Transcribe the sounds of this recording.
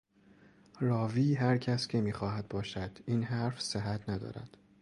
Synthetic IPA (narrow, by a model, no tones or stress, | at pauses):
rɒːviːɦæɾcʰæscʰemiːxɒːhæd̪̚bɒːʃæd̪̥iːnɦæɾfseɦæt̪ʰnæd̪ɒ̰ːɾæ̰d̪̥